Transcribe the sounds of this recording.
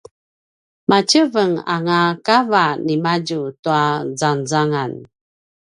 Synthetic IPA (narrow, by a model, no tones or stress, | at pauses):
mat͡ɕəvəŋa̰ŋakavanimaɟutuazanzaŋan